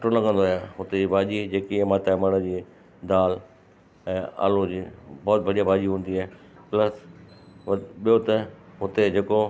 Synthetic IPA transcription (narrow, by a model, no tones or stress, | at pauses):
ʈolɐɠə̃nd̪oaːjaːɦʊt̪ed͡ʑiːbʱaːʄid͡ʑeːkiɛ̃maːt̪amɐɽ̃əd͡ʑiː | d̪aːl | ɛ̃ːa̰ːlod͡ʑiːbɔːt̪̚bʱɐɽijabʱaːʄiɦũːnd̪iaːe | plɐs | ʋɓijot̪ɐɦʊt̪ed͡ʑeːko